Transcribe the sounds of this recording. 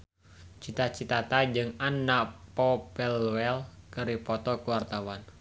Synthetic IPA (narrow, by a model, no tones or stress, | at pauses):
t͡ʃit̪at͡ʃit̪at̪ad͡ʒɨŋanːapɔpɛlwɛlkəɾipɔt̪ɔkuwart̪awan